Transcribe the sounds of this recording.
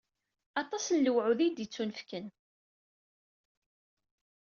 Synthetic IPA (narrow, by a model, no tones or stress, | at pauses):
ɑt̪ˤɑsənləwʕuðid̪jit͡sːunfkən